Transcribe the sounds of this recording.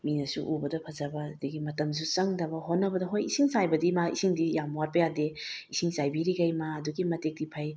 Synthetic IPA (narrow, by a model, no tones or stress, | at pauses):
minɐsuʔubɐdɐpʰɐzɐbɐdiɡimɐtɐms̬ut͡ʃɐŋdɐbɐɦonːɐbɐdɐɦojisiŋsajbɐdimaḭsiŋdijamwat̚pɐjadeisiŋsajbiɾiɡɐjmaːduɡimɐtek̚dipʰɐj